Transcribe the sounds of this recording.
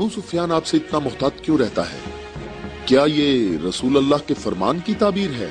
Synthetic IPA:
buːsʊfjaːnaːpseɪt̪namʊɦt̪aːd͡ʒ̪kjõːɾɛɦt̪a̰ɦɛ̰ː | kjaːjeɾɐsuːlɐlːaɦkefɐɾma̰ːnkit̪aːbiːɾɦɛ̰ː

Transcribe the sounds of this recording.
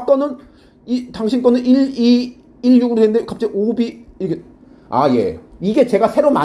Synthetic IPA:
t͈ʌnɯn | itaŋɕʰink͈ʌnɯniɭi | iɭɲuɡɯɾodwenɯndekap̚t͡ɕ͈eʔobiike | a̰je̞̰iɡe̞t͡ɕe̞ɡasʰe̞ɾoma

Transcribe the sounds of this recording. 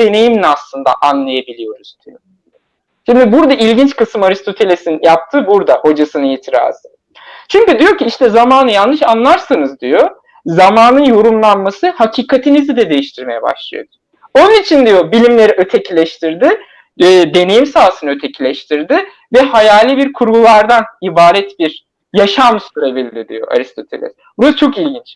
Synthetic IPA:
e̞ne̞jimlʲɛaslˠɯnd̪a̰ʔanlˠajabilʲijo̞ɾuzd̪̥ijo | ʃimd̪ibuɾd̪aʔilʲɟint͡ʃkɯsɯmaɾist̪ʰo̞t̪ʰe̞lʲesinjap̚t̪ʰɯːbuɾd̪aho̞d͡ʒasɯnɯilt̪ʰiɾa̰ːzɯ | t͡ʃʰyɲcyd̪ijo̞ciiʃt̪ʰɛzamaːnɯjalˠnɯʃanlˠaɾsanɯzd̪ijo̞ | zamaːnɯnjo̞ɾumlˠanmasɯhacʰiːkʰat̪ʰinizid̪ɛd̪e̞jiʃt̪ʰiɾme̞jɛ̰ba̰ʃlˠɯ̰jod̪̥ʊ̥ | o̞nunit͡ʃʰind̪ijobilʲimlʲe̞ɾiʔøt̪ʰecʰilʲɛʃt̪ʰiɾd̪ɪː | d̪e̞ne̞jimsaːsɯnø̞t̪ʰe̞cʰilʲɛʃt̪ʰiɾd̪ɪ | vɛhajaːlʲibiɾkʰuɾɡulˠaɾd̪anibaːɾɛt̪biɾ | jaʃamsuɾebilʲd̪id̪ḭjo̞̰ʔa̰ɾist̪ʰo̞t̪ʰelʲɛ̰sbuɾaat͡ʃʰo̞kilʲɟint͡ʃ

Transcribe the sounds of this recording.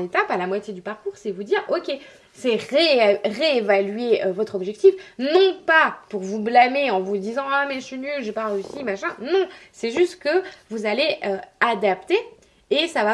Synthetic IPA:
et̪apalamwat̪jed̪ypaʁkuʁsɛvud̪iʁɔkʲe | sɛʁeʁeːvalɥeøvɔt̪χɔbʒɛk̚t̪ifnɔ̃papuʁvublameɑ̃vud̪izɑ̃amɛʃinylʒepaʁeysimaʃɛ̃nɔ̃sɛʒyst̪kəvuzaleʔøad̪apt̪eː | sava

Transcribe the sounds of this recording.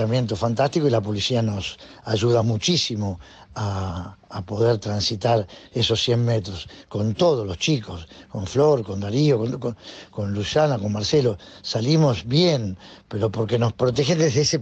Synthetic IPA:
amjẽ̞nt̪ofant̪ast̪ikoilap̬o̞lisiano̞s | aʒuð̞amut͡ʃisimo̞ | aː | po̞ðeɾt̪ɾansit̪aɾeso̞sːje̞nmet̪ɾosko̞nt̪oð̞olo̞st͡ʃikosko̞ɱfloɾko̞nd̪aɾiokooko̞nlusanako̞nmaɾselo̞salimo̞sβjenpe̞ɾo̞po̞ɾke̞no̞spɾot̪̬exed̪eɦðeese

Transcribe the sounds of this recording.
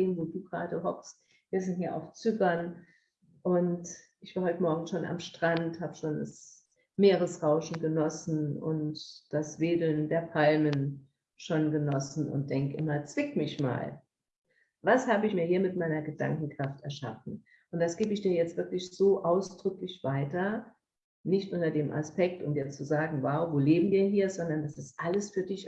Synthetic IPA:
eːnvoːduːɡʁa̰ːdəɦɔkst̚ | viːɐzɪnthiːɐʔa̰ʊft͡sʏɡɐn | ʔʊntʔɪçv̥aːɐɦɔʏtəmɔɐɡŋ̩ʃoːna̰mʃtʁ̥anthaːbəʃoːnda̰s | meːʁ̞əsʁaʊʃn̩ɡənɔsn̩ʊ̰ntd̥asv̥eːdl̩ndeːɐpʰalmən | ʃoːnɡənɔsn̩ʊ̰nt̚d̥ɛŋkəʔɪmɐt͡sv̥ɪkmɪçma̰ːl | vashaːbəɪçmiːɐhiːɐmɪtmaɪnɐɡəda̰ŋkŋ̩kʁ̥aftɛɐʃa̰fn̩ | ʔʊntd̥asɡ̥eːbəɪçd̥iːɐjɛt͡stv̥ɪɐklɪçz̥oːʔaʊsd̥ʁʏklɪçv̥aɪtɐ | nɪçtʔʊntɐdeːmʔa̰spɛk̚tʊmjiɛɐt͡st͡suzaːɡŋ̩vaʊvoːleːbm̩viːɐɦiːɐzɔndɐndasɪstʔaləsfyːɐdɪç

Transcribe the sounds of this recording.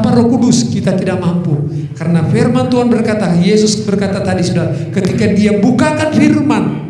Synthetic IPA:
paɾokudʊskit̪at̪idaʔ̚mampu | kaɾənafɛrmant̪uanbərkat̪ajesʊsbərkat̪at̪adisudaɾakət̪ikadiabukakanfirman

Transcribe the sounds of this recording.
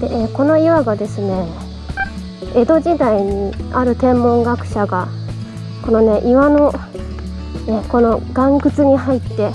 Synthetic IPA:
d̪̥e̞ʔeːko̞no̞iβaɡad̪e̞sɨne̞ | e̞d̪o̞ʑid̪aiɲ̟iaɾɯ̟t̪ẽ̞mːõ̞ŋɡakɯ̟̥ɕaɡa | ko̞no̞ne̞ʔiβano̞ | eko̞no̞ɡ̥ãŋkɯ̟t͡sɨɲ̟iɦait̪ːe̞

